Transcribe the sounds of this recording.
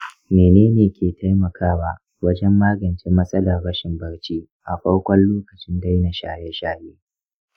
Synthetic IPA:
meː˨neː˦neː˨kʲʰeː˨tʰa˦jmɐ˨kʰaː˦wa˦ | wɐ˦d͡ʒɛ˦mːaː˦ɡɐ˨nt͡ʃeː˦mɐ˦sʼɐ˦lɐ˨rɽɐ˦ʃɪ˨mbɐ˦ɽt͡ʃiː˦ | ʔa˨ɸɐ˦ɽkʷɔ˦nloː˦kɐ˨t͡ʃɪ˦nda˦jna˨ʃa̰ː˨jɛ˦ʃaː˦jeː˦

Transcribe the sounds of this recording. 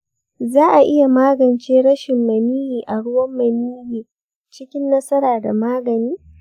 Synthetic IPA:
zaː˦ʔa˨ʔɪ˦ja˨maː˦ɡɐ˨nt͡ʃeː˦ɽɐ˦ʃɪ˨mːɐ˨miː˦jiː˨ʔa˨ɽʊ˦wɐ˦mːɐ˨niː˦jiː˨ | t͡ʃɪ˦kʲɪ˦nːɐ˦sɐ˦ɾaː˨da˨maː˦ɡɐ˨niː˦

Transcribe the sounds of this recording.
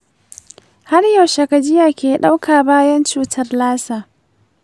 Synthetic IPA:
ha˦rja˨wʃɐ˨kɐ˨d͡ʒɪ˦jaː˨kʲeː˨ɗa˦wkʰaː˨baː˦jɐ˦nt͡ʃuː˦tʰɐ˦rlaː˦saː˨

